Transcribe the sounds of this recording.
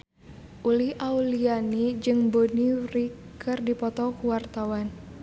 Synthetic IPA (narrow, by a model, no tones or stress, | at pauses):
ʔulihʔaulianid͡ʒɨŋbonirikʰɨrdipɔt̪ɔkuwart̪awan